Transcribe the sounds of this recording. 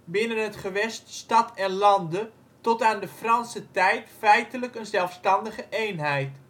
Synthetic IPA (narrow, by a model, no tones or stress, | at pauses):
bɪnənɦətχəʋɛststɑtɛnlɑndə | tɔtaːndəfrɑnsətɛjtfɛjtələkənzɛlˠfstɑndəχəʔejnɦɛjt